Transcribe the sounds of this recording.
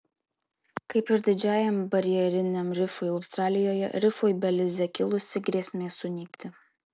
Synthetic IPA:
kɐɪpɪɾd̪ʲɪd͡ʒʲæːjɛmbɐɾʲjɛɾʲɪnʲemɾʲɪfojɐʊst̪ɾɑːlʲɪjoːjɛ̰ɾʲɪfoːjbʲɛlʲɪzʲɛkʲɪlˠʊsʲɪɡɾʲiɛsʲmʲeːsʊnʲiːkʲt̪ʲɪ

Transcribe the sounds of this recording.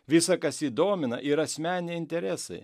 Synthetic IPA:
ʋʲɪsɐkɐsiːd̪oːmʲɪnɐʔɪɾɐsʲmʲæːnʲeɪnʲt̪ʲɛɾʲæːsɐɪ

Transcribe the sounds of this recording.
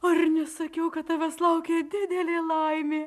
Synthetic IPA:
oːɪɾnʲɛsɐkʲɛʊkɐt̪tɐʋʲɛslˠɐʊkʲeːd̪ʲɪd̪ʲɛlʲeːlˠɐɪmʲeː

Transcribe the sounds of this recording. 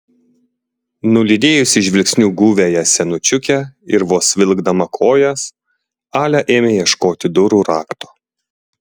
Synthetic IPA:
nʊlʲid̪ʲeːjʊsʲɪʃ̬ʲʋʲɪlʲksʲnʲuːɡuːʋʲejɛsʲɛnʊt͡ʃʲʊkʲɛɪɾʋoːsʋʲɪlʲˠɡd̪ɐmɐkʰoːjɛs | ɑːlʲɛʔeːmʲeːjiɛʃkoːt̪ʲɪd̪ʊɾuːɾɑːkt̪o̥ː

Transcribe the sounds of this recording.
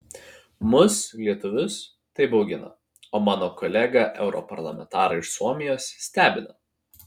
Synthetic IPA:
mʊslʲiɛt̪ʊʋʲʊs | t̪ɐɪbɒʊɡʲɪnɐ̰ | oːmɑːnoːkɔlʲɛɡɐʔɛ̰ʊɾɔ̰pɐɾlˠɐ̰mʲɛ̰nt̪ɑːɾɐɪɪʃsuɔmʲɪjoːssʲt̪ʲæːbʲɪnɐ

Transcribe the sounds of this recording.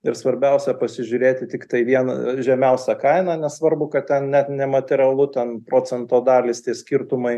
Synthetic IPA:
ɪɾsʋɐɾʲbʲɛʊsʲɛpɐsʲɪʒʲʊɾʲeːt̪ʲɪt̪ʲɪkt̪ɐɪʋʲiɛnɐ̰ʒʲɛmʲɛʊsʲɛkɐɪnɑːnʲɛsʋɐɾbʊkɐt̪t̪ʲɛnnʲæt̪nʲɛmɐt̪ʲɛɾʲɐlˠʊt̪ʲɛnpɾoːt͡sʲɛnt̪oːd̪ɑːlʲɪst̪ʲiɛsʲkʲɪɾt̪ʊmɐɪ

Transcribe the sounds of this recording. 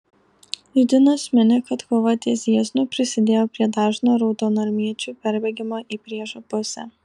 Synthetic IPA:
jʊd̪ʲɪnoːsmʲɪnʲɛkɐt̪koːʋɐt̪ʲiɛzʲiɛzʲnʊpʲɾʲɪsʲɪd̪ʲeːjoːpʲɾʲiɛd̪ɑːʒnoːɾɔʊt̪oːnɐɾʲmʲiɛt͡ʃʲuːpʲɛɾʲbʲɛɡʲɪmoːʔiːpʲɾʲiɛʒopʊsʲɛ̰

